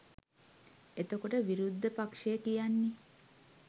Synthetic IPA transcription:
et̪okoʈəʋiɾud̪ʱːəpakʂekijanːi

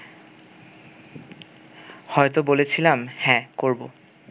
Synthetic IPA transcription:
hɔet̪̬obolet͡ɕʰilamhɛ̃koɹbo

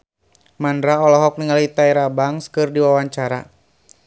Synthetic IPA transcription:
mandɾaɔlɔɦɔk̚niŋalit̪aɛɾabaŋskɨrdiwawaɲt͡ʃaɾa̰

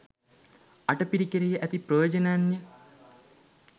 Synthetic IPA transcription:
aʈəpiɾikeɾijəʔæt̪ipɾojoːd͡ʒɐnɐjanjə

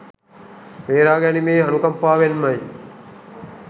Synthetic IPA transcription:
ʋeːɾaːɡænimeːɐnukɐmpaːʋenmɐj

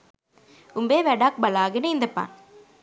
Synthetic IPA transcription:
ʊmbeːʋɛɽaːk̚bɐlaːɣɐnɯɪnd̪ɐpːa̰ːn

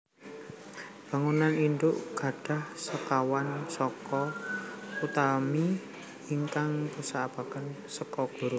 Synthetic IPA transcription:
b̥a̤ŋunanind̪ʊʔɡ̥a̤ɖ̥a̤hsəkawansɔkɔ | ut̪ami | iŋkaŋpəsaab̥a̤kən | səkɔɡ̥o̤ɾʊ

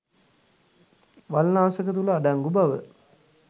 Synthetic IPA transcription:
ʋalnaːsəkət̪̬uləaɖaŋɡubaʋə̰

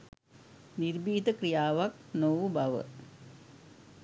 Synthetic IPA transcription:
niɾbiːt̪əkɾijaːʋɐk̚noʋubɐʋə̰

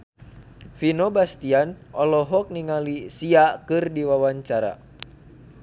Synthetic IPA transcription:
finɔbast̪ianɔlɔɦɔk̚niŋalisiakɨrdiwawaɲt͡ʃaɾa̰

